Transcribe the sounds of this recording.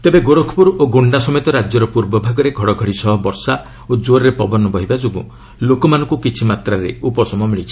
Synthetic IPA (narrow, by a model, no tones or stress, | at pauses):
t̪ebeɡoɾokʰpuɾoɡoɳɖasɔmɔjt̪ɔɾad͡ʒjɔɾɔpuɾbɔbʱaɡɔɾeɡʱɔɽɔɡʱɔɽisɔɦɔbɔɾsa | od͡ʒoɾɔɾepɔbɔnɔbɔɦibad͡ʒoɡu | lokɔmanɔ̃ŋkukit͡ʃʰimat̪ɾaɾḛupɔsɔmɔmiɭit͡ʃʰi̥